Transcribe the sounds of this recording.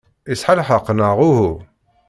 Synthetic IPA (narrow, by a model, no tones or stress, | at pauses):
isħalħəqːnəʁuhu